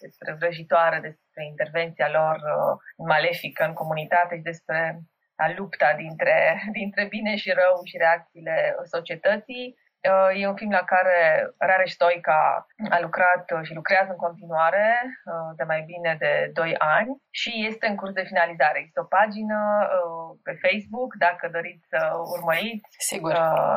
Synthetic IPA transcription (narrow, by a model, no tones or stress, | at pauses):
d̪̥e̞spɾe̞vɾəʒit̪oaɾed̪e̞spɾe̞int̪e̞rve̞nt̪sialo̞rəɨnmale̞fikəɨŋko̞munit̪at̪e̞ʃid̪e̞spɾe̞ | alupt̪ad̪int̪ɾe̞d̪int̪ɾe̞bine̞ʃiɾəwʃiɾe̞ak̚t̪siːle̞so̞t͡ʃie̞t̪ət̪sij | əje̞unfilmlakaɾe̞ɾaɾeʃt̪o̞jka̰alukɾat̪ʃilukɾeazɨŋko̞nt̪inuaɾe̞əd̪e̞majbine̞d̪e̞d̪o̞janʲʃije̞st̪e̞ɨŋkursd̪e̞finalizaɾeeɡzist̪eopad͡ʒinəəpe̞fejsbukd̪akəd̪o̞ɾit̪sʲsəurməɾit̪sʲsiɡuə